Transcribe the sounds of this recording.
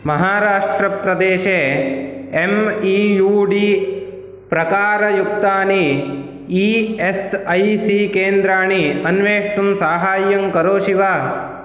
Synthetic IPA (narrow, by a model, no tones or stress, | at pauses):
mɐɦaːɾaːʂʈɾɐpɾɐd̪eːʃe | emiːjuːɖi | pɾɐkaːɾɐjukt̪aːni | iesɐjsikeːnd̪ɾaːɳiɐnʋeːʂʈumsaːɦaːjɐŋkɐɾoːʃiʋaː